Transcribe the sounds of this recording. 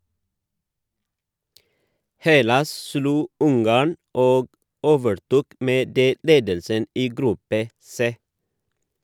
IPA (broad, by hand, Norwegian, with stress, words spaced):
ˈhɛlɑs ˈsluː ˈʊŋɡɑːɳ ˈoːɡ ˈoːʋəɾˌtuːk ˈmeː ˈdeː ˈleːdəlsən ˈiː ˈɡɾʉpə ˈseː